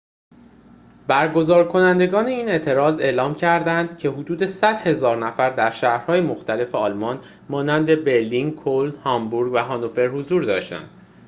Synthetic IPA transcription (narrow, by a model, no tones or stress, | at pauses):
bæɾɡo̞zɒːɾkʰo̞nænd̪e̞ɡɒːne̞iːne̞ʔt̪ʰe̞ɾɒːze̞ːʔlɒːmcʰæɾd̪ænd̪̥cʰe̞ɦod̪uːd̪e̞sæd̪̥he̞zɒːɾnæfæɾd̪æɾʃæːhɾhɒːjemoxt̪æle̞feɒːlmɒːn | mɒːnænd̪e̞be̞ɾlinkʰolhɒmbuɾɡvæɦɒnofe̞ɾhozuːɾd̪ɒːʃt̪æ̰nd̪̥